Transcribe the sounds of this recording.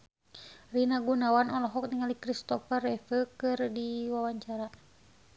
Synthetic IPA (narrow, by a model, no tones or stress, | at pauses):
rinaɡunawanɔlɔɦɔk̚niŋalikɾist̪ɔfərɛfəkɨrdiwawaɲt͡ʃaɾa